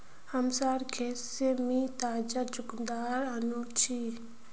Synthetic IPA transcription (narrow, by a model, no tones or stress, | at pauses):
hɐmsaːɾkʰesemit̪aːd͡ʒad͡ʒʊkd̪aːɾanut͡ʃʰi